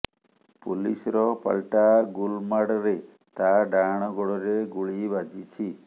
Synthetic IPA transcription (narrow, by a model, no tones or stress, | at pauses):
pulisɔɾɔpa̰lʈaɡulmaɽɔɾe | t̪aɖaɽ̃ɔɡɔɽɔɾeɡuɭibad͡ʒit͡ʃʰi